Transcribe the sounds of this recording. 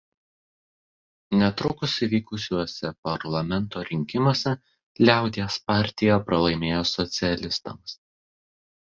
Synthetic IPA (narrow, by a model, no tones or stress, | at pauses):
nʲɛt̪ɾʊkʊsiʋʲiːkʊsʲuɔsʲɛpɐɾlˠɐmʲɛnˑt̪oːɾʲɪŋʲkʲɪmuɔsʲɛ | lʲæˑʊd̪ʲiɛspɑˑɾʲt̪ʲɪjɛpɾɐlˠɐɪmʲeːjoːsɔt̪sʲɪɛlʲɪst̪ɐ̰ms